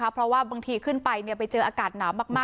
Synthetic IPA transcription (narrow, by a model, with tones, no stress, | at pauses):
a˦˥pʰɾɔ˦˥waː˥˩baː˧ŋt̪ʰiː˧kʰɯ˥˩npa˧jni˥˩əpa˧jt͡ɕɤː˧ʔaː˧kaː˨˩t̪̚naː˩˦wmːaː˥˩k̚maː˥˩